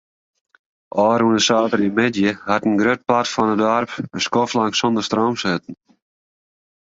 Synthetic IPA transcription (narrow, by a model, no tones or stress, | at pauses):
ʔɔːɾunəsaːtəɾimɪdjəhatən̩ɡɾøt̚platfɔnədɔrpəskoflaŋksɔndərstroːmsøtn̩